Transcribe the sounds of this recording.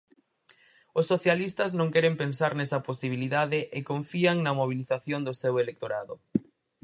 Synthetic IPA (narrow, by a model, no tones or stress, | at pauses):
ʊsːoθjalist̪ɐznõŋkɛɾempensaɾnesɐposiβ̞iliðaðɪʔekoɱfiaŋnɐmoβ̞iliθaθjond̪osewelek̚t̪oɾaðʊ